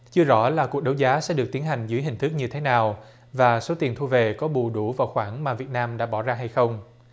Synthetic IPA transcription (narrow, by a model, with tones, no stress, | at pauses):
t͡ɕɨ˧əzɔ̰˧˩laː˨˩ku˨˩ək̚ɗə˨˦wzaː˨˦sɛ̰˧˥ɗɨ˨˩k̚t̪i˨˦ənɦa˨˩jŋ̟zɨ̰˧˥əjɦï˨˩ŋ̟t̪ʰɨ˦˥k̚ɲɨ˧t̪ʰe˨˦naː˨˩w | vaː˨˩so˨˦t̪i˨˩ənt̪ʰu˧ve˨˩kɔ˨˦ɓṵ˧˩ɗu˧˩vaː˨˩wxwaː˧˩nmaː˨˩vi˨˩ət̚naː˧mɗa̰ː˧˥ɓɔ˧˩zaː˧ɦa˧jxə˧wŋ͡m